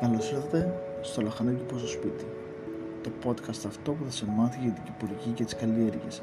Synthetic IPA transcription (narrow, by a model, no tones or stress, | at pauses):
kɐlosiθɐt̪e̞ | st̪o̞lɐxɐnocipost̪ospit̪i | t̪o̞po̞t̪kɐst̪ɐft̪o̞puðɐsenmɐθiʝet̪iɟipuɾʝicet̪i̥skɐlieɾʝḛs